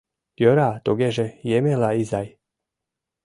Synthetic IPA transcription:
joɾaːt̪oɡɛʒɛjɛmɛlaizaj

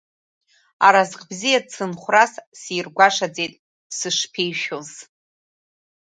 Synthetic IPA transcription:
aɾazqʼbzijat͡sʰɨnχʷrassiːrɡʷaʂad͡zejtʼ | sɨʂpʰejʃᶣoz

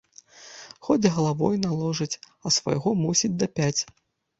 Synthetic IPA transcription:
xɔd͡zʲɣɐlˠavɔjnalˠɔʐɨt͡sʲ | ɐsva̰jɣɔmusʲid͡zʲd̪ɐpʲat͡sʲ

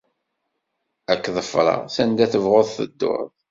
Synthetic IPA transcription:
ækːðˤəfɾˤɑ̰sænd̪æθəvʁoðˤθə̰d̪ːʊ̰ɾˤðˤ

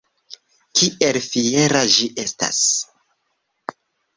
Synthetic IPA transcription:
kʰiʔe̞lfie̞ɾad͡ʒiʔe̞sta̰s

